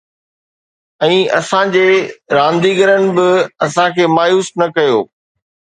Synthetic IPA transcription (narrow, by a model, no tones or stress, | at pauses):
ɛ̃ːɐsãd͡ʑeːɾãːnd̪iɡəɾənɪ̆bɪɐsãkʰeːmaːjuːsnɐkɐjoː